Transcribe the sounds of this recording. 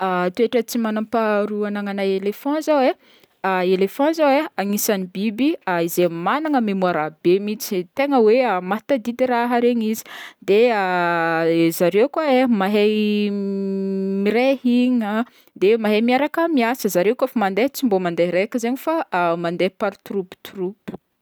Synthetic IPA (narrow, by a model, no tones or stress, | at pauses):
at̪ueʈ͡ʂət͡simanampaɾuanaŋanajelefɔ̃zawe | aelefãzaweaŋisanibibiaizemanaŋəmemuaɾabemit͡si̥t̪eŋəweamat̪ad̪id̪iɾaɦəɾeɲizi̥d̪ea | zaɾewkwaemaɦej | miɾehiɲə | d̪emaɦemiaɾakəmiasəzaɾewkafamand̪et͡simbomand̪eɾekʲəzeɲifamand̪epaɾit̪ɾupi̥t̪urupu̥